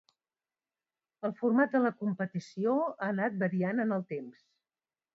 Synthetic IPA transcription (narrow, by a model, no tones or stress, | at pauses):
əlˠfurmat̪̚d̪ələkumpət̪isioaːnat̪̚bəɾianənəlˠt̪ems